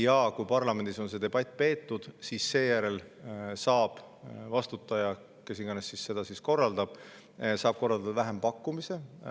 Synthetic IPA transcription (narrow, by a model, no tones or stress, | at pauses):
jɑkujpɑrlɑme̞nd̪iso̞nse̞ːd̪e̞b̥ɑt̪ːˑpe̞ːt̪ːud̪̥siːsːe̞ːjæɾe̞lsɑːb̥vɑst̪ut̪ːˑɑjɑ | ke̞siɡ̥ɑnesːisse̞d̪̥ɑsisko̞rːɑld̪ɑb̥ | sɑːb̥̚ko̞rːɑld̪ɑd̪ɑvæɦe̞mpɑkːumise̞